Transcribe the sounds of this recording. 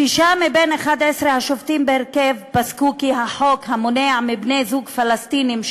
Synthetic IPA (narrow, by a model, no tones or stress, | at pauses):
ʃiʃamibeneχad̪esɾehaʃoft̪imbeheɾkevpaskukiɦaħokhamoneaʕmibne̞jzuɡfalast̪inim